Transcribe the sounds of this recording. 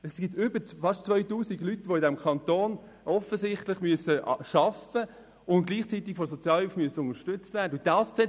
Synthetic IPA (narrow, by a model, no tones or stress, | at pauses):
ɛsɡ̥ip̚tʏbəfɑʃtt͡svœʏtuːsiɡlytʋoɪdɛmkʰɑnt̪oːn | ʔɔfəsɪχtlɪχmyəsəʃɑfə | ʊntɡ̥liːχt͡sitɪkfɔs̬ot͡sjɑːlhelfmyəsəʊnəʃtʏt͡stv̥æːɾdəʊndɑːsksɛ